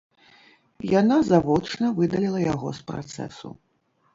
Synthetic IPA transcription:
janazavɔt͡ʂnɐvɨd̪ɐlʲilˠɐjaɣɔspɾa̰t̪sɛ̰sṵ

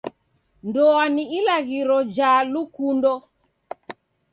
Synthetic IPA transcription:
ndɔaniilaɣiɾɔd͡ʒalukundɔ

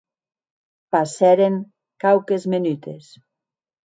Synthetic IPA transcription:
pasɛɾeŋ | kawkezmenyt̪es

